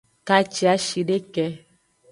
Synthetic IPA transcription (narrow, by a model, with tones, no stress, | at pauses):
ka˦t͡ʃi˨a˦ʃi˨ɖe˦kɛ˧˦